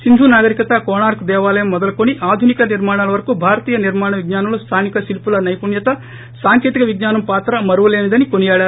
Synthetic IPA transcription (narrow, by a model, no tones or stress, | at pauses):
sind̪ʱuːnaːɡɐɾikɐt̪ɐkoːnaːɾkd̪ɛːʋaːlɐjɐmːɔd̪ɐlɐkoniʔaːd̪ʱunikɐniɾmaːɳaːlɐʋɐɾɐkubʱaːɾɐt̪iːjɐniɾmaːɳɐʋiɡɲaːnɐmlust̪ʰaːnikɐsilpulɐnɐjpuɳjɐt̪ɐ | saːŋkjet̪ikɐʋiɡnaːnɐmpaːt̪ɾɐmɐɾuʋɐleːnid̪ɐnikonijaːɭaːɾ